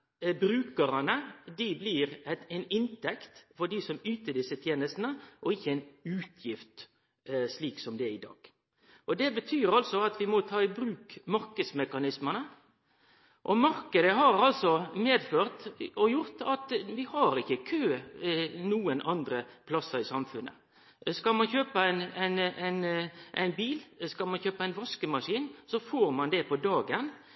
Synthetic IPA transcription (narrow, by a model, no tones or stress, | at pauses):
bɾʉːkəɾɑnəd̪ɪblɪɾɛɛɪnɪnt̪ʰɛkt̪fɔɖisɔmʉːt̪əɖ̪ɪsət̪ʰjeːnəst̪nəʔɔɪçːəæɪnʉːt̪ʰjɪft̪ | sliːksɔmd̪ɛɪd̪ɑ̰ːɡ̥ | ʔɔd̪ɛbət̪ʰyːɾɑlsɔɑt̪ʋɪmɔt̪ʰɑːɪbɾʉːkmɑɾkəd̪smɛkɑnɪsmənə | ʔɔmɑɾkəd̪əɦɑɾɑlsɔmeːd̪føːʁt̪ɔjʊɾt̪ɑt̪ʋɪhɑɾɪçəkʰøː | nuːənʔɑnd̪ɾəpʰlɑsːəɾɪsɑmfʉnʔə̰ | skɑlmɑnçøːpəænæɪnæɪnʔæ̰ɪnbiːlskɑlmɑnçøːpəæɪnʋɑskəmɑʂiːnsɔfoːɾmɑnd̪ɛpʰɔd̪ɑːɡən